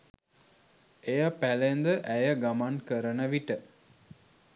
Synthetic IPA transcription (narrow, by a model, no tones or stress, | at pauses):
ejapælend̪əʔæjəɡamankəɾənəʋiʈə